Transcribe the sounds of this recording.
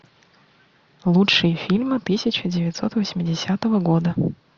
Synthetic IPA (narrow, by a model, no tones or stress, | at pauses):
lˠutʂɨjəfʲilʲmɨt̪ɨsʲɪt͡ɕɪdʲɪvʲɪt̪so̞t̪vəsʲmʲɪdʲɪsʲat̪əvəɡo̞d̪ə